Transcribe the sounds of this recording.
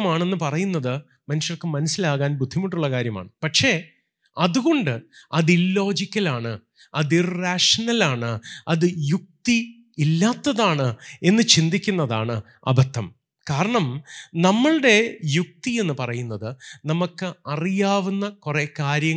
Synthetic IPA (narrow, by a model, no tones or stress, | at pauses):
maːɳe̞nːɨpɐrɐjunːɐðɨ | mɐnuʂjɐrkːɨmɐnɐsːilaːɣaːnbud̪ʱːimɐʈːuɭːɐkaːɾjɐma̰ːɳɨpɐʈʂe̞ː | ɐðuɣo̞ɳɖɨɐðilːo̞ːd͡ʑikʲːɐlaːɳɨ | ɐðiraːʂɐnɐlaːɳɨɐðɨjuk̚t̪iː | lːaːt̪ːɐðaːɳɨe̞nːɨt͡ɕind̪ikʲːunːɐða̰ːɳɨ | ɐ̰bɐt̪ːɐm | kaːɾɐɳɐmnɐmːɐɭɨɽe̞juk̚t̪ie̞nːɨpɐrɐjunːɐðɨnɐmukːɨɐrijaːʋunːɐkure̞kaːɾjɐ